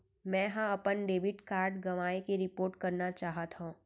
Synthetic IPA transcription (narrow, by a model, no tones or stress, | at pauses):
mɛ̃ːɦãɐpənɖeːʋɪʈkaːɾɖɡɐʋaːekeɾɪpoːɾʈkɐɾnat͡ʃaːɦət̪ɦũː